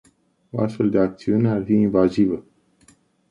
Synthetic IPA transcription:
oast̪fe̞ld̪eak̚t̪siunearfiinvazivə

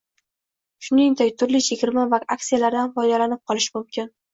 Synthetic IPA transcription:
ʃʊnɪŋd̪akʲt̪ʰʊɾlɪʃʰeɡʲɪɾmavaaksijalaɾd̪anfɒjd̪alanɪp̚qʰɒlˠɪʃmʊmkʲʰɪn

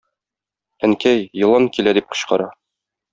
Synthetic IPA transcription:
æŋkæjːɤ̆lˠɑŋkilæd̪ip̚qŏɕqɑɾɑ

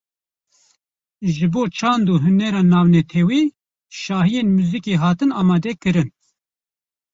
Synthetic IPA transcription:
ʒɨboːt͡ʃʰɑːnd̪uːɦʊnɛɾɑːnɑːvnɛt̪ʰɛwiː | ʃɑːɦijeːnmuːzikeːɦɑːt̪ɨnɑːmɑːd̪ɛkɨɾɨn

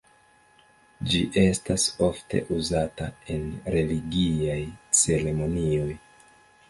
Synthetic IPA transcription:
d͡ʒiʔe̞staso̞fte̞̰ʔuzatae̞nɾe̞liɡiajt͡se̞ɾe̞mo̞nio̞j

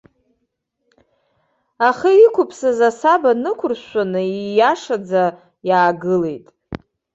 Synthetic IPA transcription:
aχiikʷʰʊpʰsazasabanɨkʷʰʊrɕʷanɨijaʂad͡za | jaːɡɨle̞̰jtʼ

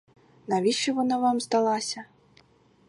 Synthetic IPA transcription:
navʲiʂivɔnavamzd̪alˠasʲɐ

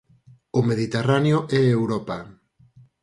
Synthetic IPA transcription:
ʊmeð̞it̪eranjoʔɛewɾɔpa

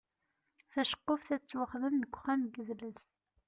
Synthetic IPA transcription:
θæʃə̥qːofθæt͡sːwəχðənːəkʷːχæmɡəðləs

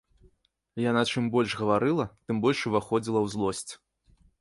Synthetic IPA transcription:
janat͡ʂɨmbɔlʲʂɣɐvaɾɨlˠɐt̪ɨmbɔlʲʂuvaxɔd͡zʲilˠɐwzlˠɔsʲt͡sʲ

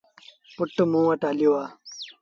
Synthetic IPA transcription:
puʈːumũːwɐʈaːliwaː

